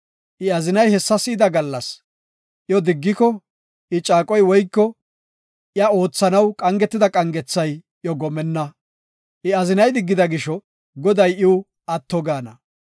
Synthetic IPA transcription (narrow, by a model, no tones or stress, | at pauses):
ʔɪɐzɪnɐjhɛsːɐsɪd̪ɐɡɐlːɐs | ʔjɔd̪ɪɡːɪkɔ | ʔɪt͡ʃʼaːkʼɔjwɔjkːɔ | ʔɪɐo̞ːt͡sːɐnɐwkʼɐŋɡɛt̪ːɪd̪ɐkʼɐŋɡɛt͡sːɐj | jɔɡɔmɛnːɐ | ʔɪɐzɪnɐjd̪ɪɡːɪd̪ɐɡɪʃɔ | ɡɔd̪ɐjɪw | ʔɐt̪ːɔɡaːnɐ